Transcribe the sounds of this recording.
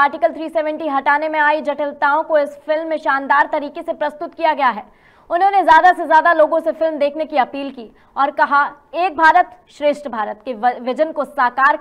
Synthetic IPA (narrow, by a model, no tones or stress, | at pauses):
aːɾʈɪkəlt̪ʰɾiːsɛːʋɛ̃ɳʈiɦɐʈaːnemẽaːid͡ʒɐʈəlt̪aːõkoɪsfɪlmːẽʃaːnd̪aːɾt̪ɐɾiːkesepɾɐst̪ʊt̪kijaɡɐjaɦɛː | ʊnɦõnezjaːd̪asezjaːd̪aloːɡõsefɪlmd̪eːkʰnekiɐpiːlkiː | ɔːɾkɐɦa | eːk̚bʱaːɾət̪ʃɾeːʃʈəbʱaːɾət̪keʋɪd͡ʒənkosaːkaːɾ